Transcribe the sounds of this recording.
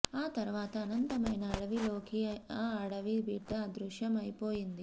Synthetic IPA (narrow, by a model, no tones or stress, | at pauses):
aːt̪ɐɾuʋaːt̪ɐːnɐnt̪ɐmɐjnɐːɽɐʋilo̞ːkiɐɽɐʋibiːʈːɐd̪ɾuʂjɐmɐjpoːjind̪i